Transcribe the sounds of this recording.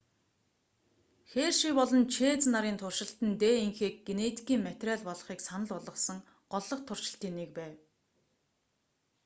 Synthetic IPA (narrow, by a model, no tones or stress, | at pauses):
xeːrʃipɔɮɞ̆nt͡ɕʰeːt͡snaɾiːnt̪ʰʊrʃɪ̆ɬt̪ɘ̆nt̪eːiŋxeːk̚ɡenet̪ʰi̥kiːŋmæt̪ʲræːɮpɔɮ̆χiːksanə̆ɮʊɮʁə̆sə̆ŋ | ɢ̥ɔɮːɞ̆qt̪ʰʊr̥ʃɪ̆ɬt̪iːnːek̚pæːw